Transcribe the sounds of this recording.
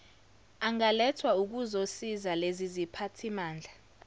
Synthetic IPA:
aŋalɛtʰwauk̬uzosizalezizipʰatʰimaːnd͡ɮʱa

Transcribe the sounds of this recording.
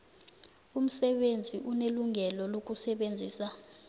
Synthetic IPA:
um̩sɛɓend͡zʱiʔuneluŋʱɛlɔlok̬ʼusɛɓend͡zʱiːsa

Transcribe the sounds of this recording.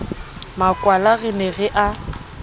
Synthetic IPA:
makʼwalaɣɪneɣɪʔa

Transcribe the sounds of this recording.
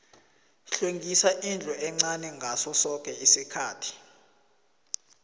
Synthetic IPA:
ɬeŋɡʱisaʔind͡ɮʱɔɛŋ͡ǀanɛŋɡʱasɔsɔk̬ʼɛisikʰaːtʰi̥

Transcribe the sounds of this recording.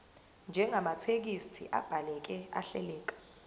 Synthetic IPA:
nd͡ʒʱɛŋamat͡sʰek̬istʰḭʔa̰b̥ʱalɛk̬ɛa̰ɬɛ̰lɛːk̬ḁ

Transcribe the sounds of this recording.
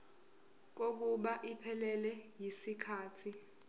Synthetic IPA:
k̬ok̬uɓaʔipʰɛlɛlɛjisikʰaːtʰi

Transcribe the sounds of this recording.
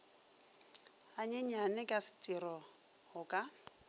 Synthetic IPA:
aɲeɲ̩anɛkʼasɪ̥t͡sʼirɔ | hʊkʼa

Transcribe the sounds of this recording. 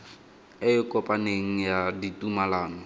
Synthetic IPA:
ɪɪkʼɔpʼaneŋ̩jaditʼumalaːnɔ

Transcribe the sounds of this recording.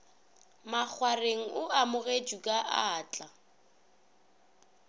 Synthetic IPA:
mak͡xʰwareŋ̩ʊamʊɣed͡ʒukʼaʔaːt͡ɬʼa

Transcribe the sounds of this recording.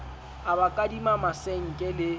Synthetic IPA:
abakʼadimamasɛŋ̩kʼɛlɪ

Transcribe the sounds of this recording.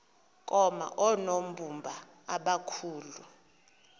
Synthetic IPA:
kʼɔma̰ʔɔnom̩bumbʱa | aɓakʰuːlu

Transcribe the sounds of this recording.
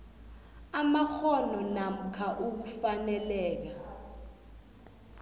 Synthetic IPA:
amaxɔnɔnam̩kʰaʔuk̬ufanɛlɛːk̬a

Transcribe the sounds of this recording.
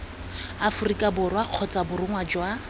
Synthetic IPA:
afʊrikʼabʊrwaq͡χʰɔt͡sabʊrʊŋwad͡ʒwa

